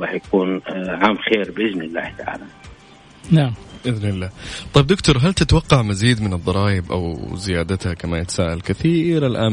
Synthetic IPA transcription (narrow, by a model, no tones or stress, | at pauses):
ɾˤɑːħjakuːnʕaːmxeːɾbʔɪd͡ʒnɪlːa̰ːht̪aʕa̰ːla | naʕmʔɪðnɪlːaːt̪ˤɑjb̚d̪ʊkt̪ʊɾˤɦalt̪ɪt̪wɑqːɑʕmaziːd̪mɪnɨd̪ˤːɑɾˤɑːjɪbʔa̰wzɪjaːd̪at̪hakamajɪt̪ḁsaːʔalkɪθiːɾalʔaː